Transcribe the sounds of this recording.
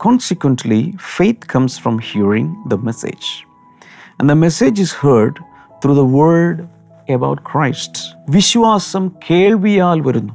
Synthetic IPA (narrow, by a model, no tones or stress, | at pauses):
kɔ̃ːnsikwə̃nʈʰlḭfeɪt̪̚ʰkʰɐ̃msfɾɔ̃mhiəɾɪ̃ŋd̪ɐmesḛd͡ʒ | æ̰̃nd̪əmesed͡ʒishəɾɖ | t̪ʰɾuːðɐʋəɖ | ebaʊʈ̚kʰɾaɪsʈʋiɕʋaːsɐmkʰeːɭʋijaːlʋɐɾunːu